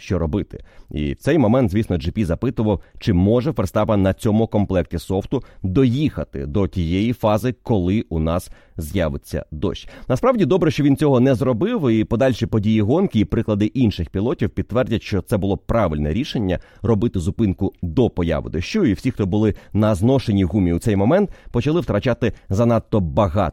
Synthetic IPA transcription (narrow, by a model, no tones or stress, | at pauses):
ʃt͡ʃɔɾɔbɪt̪ɪ̥̰ḭwt̪ɛjmɔmɛnt̪zʲʋʲisnɔd͡ʒɪpʲizɐpɪt̪ʊʋɐwt͡ʃɪmɔʒɛpɾst̪ɑpɐnɐt͡sʲɔmʊkɔmplˠɛk̚tʲisɔft̪ʊd̪ɔjixɐt̪ɪ̰d̪ɔtʲijɛjifɑzɪkɔlˠɪʔʊnɑs | zʲjaʋɪt͡sʲːɐ̰d̪ɔ̰ʃʲnɐspɾɑwdʲid̪ɔbɾɛʃt͡ʃɔʋʲint͡sʲɔɦɔnɛzrɔbɪwipɔd̪ɑlʲʃipɔdʲijiɦɔnkɪːpɾɪklˠɐd̪ɪʔinʃɪxpʲilˠɔtʲiwpʲid̪̚t̪ːʋɛrdʲɐtʲʃt͡ʃɔt̪sɛbʊlˠɔpɾɑʋɪlʲnɛ̰ɾʲiʃe̞nʲːɐ̰ | rɔbɪt̪ɪzʊpɪnkʊd̪ɔpɔjɑ̰ʋɪ̰d̪ɔʃt͡ʃɔiwsʲixt̪ɔbʊlˠɪnɐznɔʃenʲiɣumʲiwt̪sɛjmɔmɛnt̪̚pɔt͡ʃɐlˠɪwt̪ɾɐt͡ʃat̪ɪzɐnɑt̪ːɔbɐɦɑ̰